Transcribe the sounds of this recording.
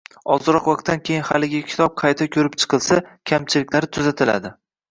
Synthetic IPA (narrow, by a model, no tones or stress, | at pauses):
ɒzɨɾɒqvɑq̚t̪ːankʲʰejɪnhalɪɡʲakʲʰɪ̥t̪ʰɒp̚qʰɑjt̪ʰakʲʰɵɾɪpt͡ʃʰɨ̥qʰɨlˠsakʲʰamt͡ʃʰɪlɪkʲlaɾɪt̪ʰʊzat̪ʰɪla̰d̪ɪ